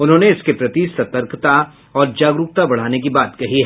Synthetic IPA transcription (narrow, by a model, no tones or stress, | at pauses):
ʊnɦõːneɪskepɾɐt̪isɐt̪əɾkt̪a | ɔːɾd͡ʒaːɡɾʊk̚t̪abɐɽ̤aːnek̬ibaːt̪kɐɦiɦɛ